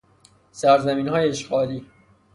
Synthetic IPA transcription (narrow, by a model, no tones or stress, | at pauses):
sæɾzæmiːnhɒːjeeʃɢɒːliː